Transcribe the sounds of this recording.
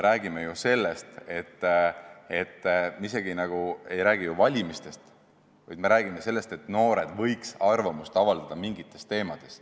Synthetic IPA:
meɾæːɡimejuse̞lːest̪e̞t̪ːe̞t̪ːmeis̬e̞ɡ̥inɑɡ̥ue̞jɾæːɡ̥ijuvɑlʲimist̪e̞st̪ | vɑjd̪̥me̞ɾæːɡ̥imese̞lːe̞st̪e̞t̪no̞ːɾe̞d̪̥vɤ̞jksɑrvɑmust̪ɑvɑld̪̥ɑd̪̥ɑmiŋɡit̪ːˑe̞st̪e̞ːmɑd̪̥e̞s

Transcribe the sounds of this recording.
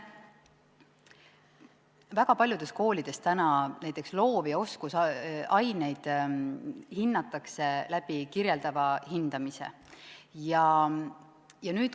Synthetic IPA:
væɡ̥ɑpɑlʲjud̥̪e̞st̪̚ko̞ːlid̪̥e̞st̪ænɑnæjt̪ːˑekslo̞ːvio̞skusɑjne̞jd̪̥ | hinːɑt̪ːˑɑkse̞læb̥ikirje̞ld̪̥ɑvɑhind̪̥ɑmise̞̰ | jɑ | jɑnyːt̪

